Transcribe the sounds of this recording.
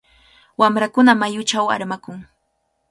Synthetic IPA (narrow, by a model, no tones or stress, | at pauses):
wamɾakʊnamajʊt͡ʃawa̰ɾmakʊŋ